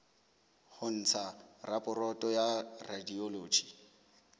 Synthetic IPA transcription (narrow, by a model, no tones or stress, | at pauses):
hʊn̩t͡sʰarapʼʊɾɔtʼɔjaradiɔloːd͡ʒi